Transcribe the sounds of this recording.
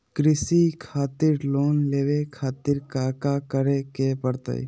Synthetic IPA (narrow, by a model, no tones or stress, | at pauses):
kɾɪsikʰaːt̪iɾloːnleːʋekʰaːt̪ɪɾkakakəɾekepəɾt̪ə̰j